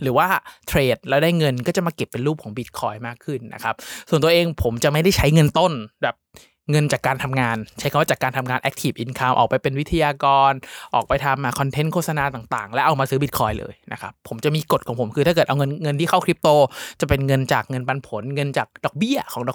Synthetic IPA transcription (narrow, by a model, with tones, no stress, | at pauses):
ɾɯː˩˦waː˥˩t̪ʰɾeː˨˩t̪̚lɛː˦˥wdaː˥˩jŋɤ˧nkɔː˥˩t͡ɕa˨˩maː˧ke˨˩pːe˧nɾuː˥˩p̚kʰɔː˩˦bi˨˩t̪̚kʰɔː˧jmaː˥˩kʰːɯ˥˩nːa̰˦˥kʰa˦˥p̚su˨˩nt̪əʔeː˧ŋpʰo˩˦mt͡ɕa˨˩ʔma˥˩jda˥˩jt͡ɕʰa˦˥jŋɤ˧nt̪o˥˩nbɛː˨˩p̚ | ŋɤ˧nt͡ɕaː˨˩kːaː˧nt̪ʰa˧mŋaː˧nt͡ɕʰa˦˥jʰka˧waː˥˩t͡ɕaː˨˩kːaː˧nt̪ʰmŋaː˧nʔɛ˦˥k̚t̪ʰi˨˩pʔi˨˩nkʰaː˧mʔɔ̰ː˨˩pa˧jpe˧nwi˦˥t̪ʰa˧jaː˧kɔː˧nʔɔː˨˩k̚pa˧jt̪ʰa˧mːaː˧kʰɔ˧nt̪ʰe˦˥nkʰoː˥˩t̪sa˧naː˧t̪aː˨˩ŋt̪a̰ː˨˩ŋlɛ˦˥ʔa˧wmaː˧sɯː˦˥bi˨˩t̪̚kʰɔː˧jlɤ̰ː˧jna̰˦˥kʰa̰˦˥pʰːo˩˦mt͡ɕa˨˩ʔmiː˧ko˨˩t̪̚kʰɔː˨˩˦pʰo˩˦mkʰɯː˧t̪ʰa˥kɤː˨˩t̪ʔa˧wŋɤ˧nŋɤ˧nt̪i˥˩ka˥˩wkʰɾi˦˥p̚t̪oː˧t͡ɕa˨˩pe˧nŋɤ˧nt͡ɕa̰ː˨˩k̚ŋɤ˧npa˧npʰo˩˦nŋɤ˧nt͡ɕa̰ː˨˩k̚dɔː˨˩k̚bi˥˩ɐkʰɔː˩˦ŋdɔː˨˩˦